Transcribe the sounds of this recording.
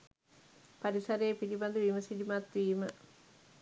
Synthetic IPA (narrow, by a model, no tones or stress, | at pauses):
paɾisaɾejːpiɾiband̪əʋiːməsiɖimat̪ʋiːmə